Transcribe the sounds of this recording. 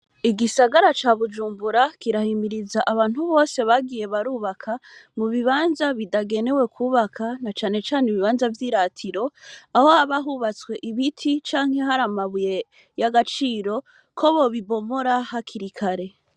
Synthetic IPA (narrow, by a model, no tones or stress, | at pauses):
iɡisaɡaɾat͡ʃaːβud͡ʒuːmbuɾakiɾahimiɾizaʔaβaːnhuβo̞ːse̞βaɡije̞βaɾuːβakʰamuβiβaːnzaβidaɡe̞ne̞we̞kʰuːβakʰanat͡ʃaːne̞t͡ʃaːneβiβaːnzavjiːɾatʰiɾo̞ahohaβaɦuβat͡swe̞ʔiβitʰit͡ʃaːŋ̥he̞ɦaɾamaβuje̞ | jaɡat͡ʃiːɾo̞ | kʰo̞βo̞βiβo̞mo̞ɾahakʰiɾikʰaɾe̞